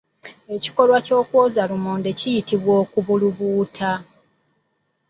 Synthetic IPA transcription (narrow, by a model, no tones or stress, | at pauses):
e̞ci̥ko̞lwaco̞ːkwoːzalumoːnde̞cijitiβwo̞ːkuβuluβuːtʰa